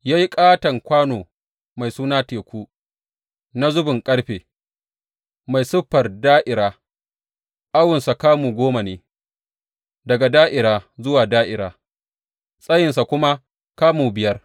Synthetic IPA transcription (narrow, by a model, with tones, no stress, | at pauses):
jaː˦ji˦kʼaː˦tɐ˨ŋkʷaː˦noː˨ | ma˨jsuː˦naː˦teː˨kʷuː˦ | na˦zʊ˦bʊ˨ŋkʼɐ˦ɽɸeː˨ | ma˨jsʊ˦ɸːɐ˨rdaː˦ʔɪ˨ɾaː˦ | ʔa˦wʊ˨nsa˨kaː˦muː˨ɡʷoː˦ma˨neː˨ | dɐ˨ɡa˨daː˦ʔɪ˨ɾaː˨zʊ˦waː˨daː˦ʔɪ˨ɾaː˨ | sʼɐ˦jɪ˨nsa˨kʷʊ˦ma˦ | kaː˦muː˨bɪ˨jɐ˦r